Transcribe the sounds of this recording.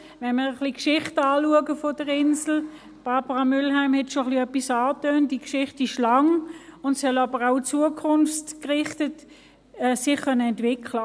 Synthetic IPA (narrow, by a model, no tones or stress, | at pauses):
ʋɛnməʁəχlikʃɪχtɑːluəɡəfɔdəʁɪnsl̩ | b̥ɑːbəʁɑmʏlɦæɪmhɛtʃoχliœpːisɑːtøːnt̚d̥iəkʃɪχtɪʃlɑŋʊntsœlɑbəʁaʊt͡suəkʰʊnftkʁɪχtət | ɛːsɪχkʰœnəɛntv̥ɪkʰlə